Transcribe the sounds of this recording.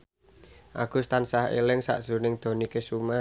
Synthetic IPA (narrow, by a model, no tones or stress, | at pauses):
ʔa̰ɡ̥ṳst̪ansahḛlɪŋsa̰ʔd̥z̥ṳnɪŋd̪̥o̤nikesuma